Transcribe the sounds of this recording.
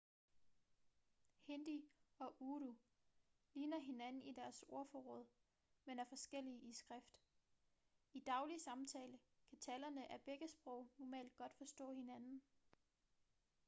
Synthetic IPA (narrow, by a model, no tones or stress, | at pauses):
hend̥iɒ̽ʔuːɾu | liːnɐɦe̝nænn̩id̥æɐso̝ɐfɒʁɔð̞̰ˠ | menæɐfɒ̽sɡ̥el̰iʔisɡ̥ʁafd̥ | id̥ɑ̈ʊlisɑ̈mt͡sʰɛːləkʰæt͡sʰɛlɐnəʔæb̥eɡ̥əsb̥ʁɔ̽ʊ̰nɒmɛ̰ːld̥̚ɡ̥ɒ̽d̥fɒ̽sd̥ɔ̰̽ːhe̝nænn̩